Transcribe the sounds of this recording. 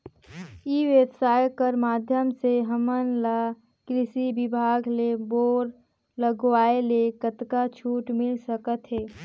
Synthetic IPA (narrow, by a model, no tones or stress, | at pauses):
iːʋebsaːjkəɾmaːd̪ʱjəmseɦəmənla | kɾɪʃibɪbʱaːɡleboːɾ | ləɡʋaːelekət̪kat͡ʃʰuːʈmɪlsəkət̪ɦeː